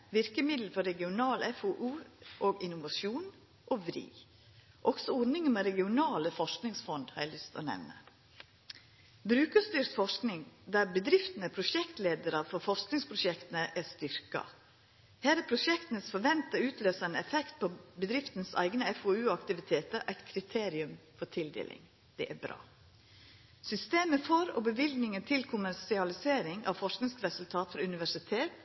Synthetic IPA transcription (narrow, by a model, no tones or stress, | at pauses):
ʋɪɾkəmɪd̪l̩fɔɾɛɡɪʊnɑːlɛfoʔʉːʔoːɡɪnʊʋɑʃuːn | ʔoːʋɾḭː | ʔɔɡ̥sɔɔɾnɪŋəmɛɾɛɡɪʊnɑːləfɔʂknɪŋsfɔnd̪hɑɾæɪlʏst̪ɔ̰nɛ̰ʋnə̰ | bɾʉːkəst̪yːɾt̪fɔʂknɪŋd̪æːɾbəd̪ɾɪft̪nəpʰɾʊʃɛkt̪leːd̪əɾəfɔɾfɔsknɪŋspʰɾʊʃɛkt̪ənəʔæɾst̪ʏɾkɑ̰ | hæːɾæɾpʰɾʊʂɛkt̪ənəsfɔɾʋɛnt̪əʉːt̪løːsɑɛnɛfɛkt̪̚pʰobəd̪ɾɪft̪ənsæ̰ɪɡnəɛfoːʉːɑkt̪ɪʋɪt̪ʰeːt̪əɾʔæɪt̪kʰɾɪt̪ʰeːɾɪʉmfɔt̪ʰɪld̪ḛːlɪ̰ŋ | d̪̥ɛʔæbɾɑ̰ː | sʏst̪eːməfɔɾo̰ːbəʋɪlɡ̪nɪŋənt̪ʰɪlkʰʊmæɾsɪɑlɪseːɾɪŋɑ̰ʋfɔʂknɪŋskɾɛsʉlt̪ʰɑːt̪fɔɾʉnɪʋæʂɪt̪ʰeːt̪